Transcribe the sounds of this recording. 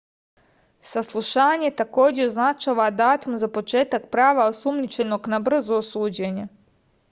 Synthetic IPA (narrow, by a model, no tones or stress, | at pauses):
saslˠuʃaːɲe̞t̪ako̞ːd͡ʑeoznat͡ʃaʋad̪aːt̪umzapo̞t͡ʃe̞ːt̪ak̚pɾaːʋaosumnit͡ʃe̞no̞ɡnabr̩zuosuːd͡ʑeɲe